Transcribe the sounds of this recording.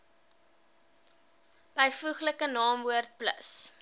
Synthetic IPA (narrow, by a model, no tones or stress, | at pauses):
b̥əjfuχləkənɑːmvuərt̚plə̰s